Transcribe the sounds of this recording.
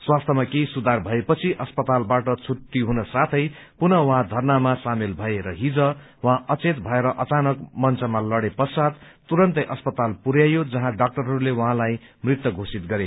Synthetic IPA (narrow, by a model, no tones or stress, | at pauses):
swast̪ʰʌmakesud̪ʱarbʱʌepʌt͡sʰiʔʌspʌt̪albaʈʌt͡sʰuʈːiɦunʌsat̪ʰʌj | punʌwɦãd̪ʱʌrnamasamelbʱʌeɾʌɦid͡zʌ | wʌɦãʌt͡set̪bʱʌeɾʌʔʌt͡sanʌkmʌnt͡sʰʌmalʌɽepʌsad̪ | t̪uɾʌnt̪ʌjʔʌspʌt̪alpuɾjajod͡zʌɦãɖak̚ʈʌrɦʌɾulewʌɦãlaj | mrit̪wʌɡʱosit̪̚ɡʌɾe